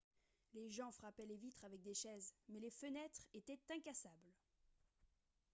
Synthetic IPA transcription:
leʒɑ̃fχapɛlevit̪χavɛk̚d̪eʃɛzmɛlefənɛt̪χet̪ɛt̪ɛ̃kasabl

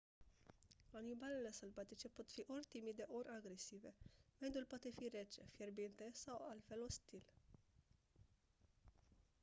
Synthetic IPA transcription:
anibalele̞səlvat̪it͡ʃe̞po̞t̪fiʔo̞rʲt̪imid̪e̞ʔo̞rʲʔaɡɾe̞sive̞med̪ulpoat̪e̞fire̞t͡ʃe̞̰fjerbint̪e̞sawalt̪fe̞lo̞st̪il

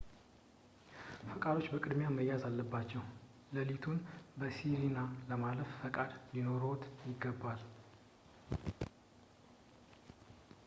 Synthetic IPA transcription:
fəkʼad̪o̞t͡ʃːbəkʼɨd̪mjaməjːazalːəbːat͡ʃːɛw | ləlit̪ʰunbəsiɾinaləmaləffəkʼad̪lino̞ɾot̪jɪɡːəbːal

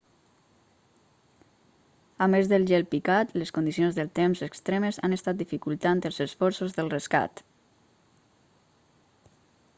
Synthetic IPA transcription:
amezðəlˠʒɛlpikat̪leskund̪isiõnzðəlˠt̪emzəkst̪ɾeməza̰nəst̪at̪̚d̪ifikulˠt̪ant̪əlˠzəsfɔɾsozðəlˠrəska̰t̪

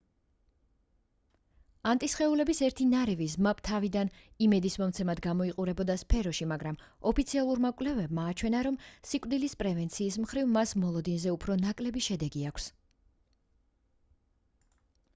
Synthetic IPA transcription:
ant̪ʼisχɛulɛbisɛɾt̪ʰinaɾɛvizmapʰʼt̪ʰavid̪an | imɛd̪ismɔmt̪sʰɛmad̪ɡamɔiqʼuɾɛbɔd̪aspʰɛɾɔʃimaɡɾam | ɔpʰit̪sʰialˠuɾmakʼlɛvɛbmaːt͡ʃʰwɛnaɾɔmsikʼd̪ilispʼɾɛvɛnt̪sʰiːsmχɾivmasmɔlˠɔd̪inzɛupʰɾɔnakʼlɛbiʃɛd̪ɛɡiakʷʰs

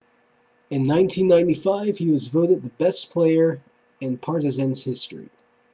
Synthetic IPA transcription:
ɨ̃nːãɪ̃ntʰĩnːãɪ̃ntifaɪv̥hiwʌzvoʊɾɨd̪̚ðəbɛspʰl̥eɪə˞ | ɨ̃npʰɑɹɾɨzɛ̃nz̥hɪstɹ̥ḭ

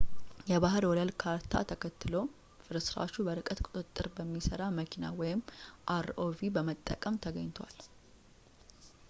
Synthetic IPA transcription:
jɛβaɦɨɾwɔləlkʰaɾt̪ʰa̰t̪ʰəkʰət̪ʰːɨlo̞ | fɨɾɨsɾa̰t͡ʃːubəɾɨkʼət̪kʼʊt̪ʼɨt̪ʼːɨɾbəmːisəɾaməkʰina̰wɔjɪmʔaɾovibəmət̪ʼːə̰kʼəmt̪ʰəɡəɲːt̪ʰwa̰l

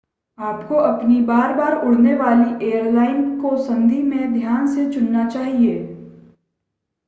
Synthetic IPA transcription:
aːpkoʔɐpnibaːɾbaːɾʊɽ̤neʋaːliʔeːjəɾlaːɪnkosɐ̃nd̪ʱimẽd̪ʱjaːnset͡ʃʊnːat͡ʃaːɦieː

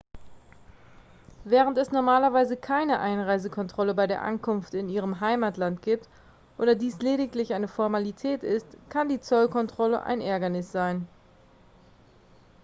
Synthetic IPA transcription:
vɛːʁəntɛsnɔɐmaːlɐvaɪzəkʰaɪnəʔaɪnʁaɪzəkʰɔntʁ̥ɔləbaɪdeːɐʔa̰nkʰʊnftɪniːʁəmɦaɪmatlantɡ̥iːp̚t | ʔoːdɐdiːsleːdɪklɪçʔaɪnəfɔɐmalitʰɛːtɪstkʰandiːt͡sɔlkʰɔntʁ̥ɔlə̰ʔa̰ɪnʔɛɐɡɐnɪsz̥aɪn

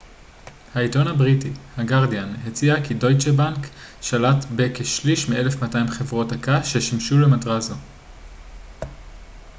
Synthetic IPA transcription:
haito̞nhabʁitihaɡaʁdianhet͡siakido̞jt͡ʃebankʃalatbekeʃliʃmiʔe̞lefmataimχe̞vʁo̞takaʃeʃimʃulemadʁazo

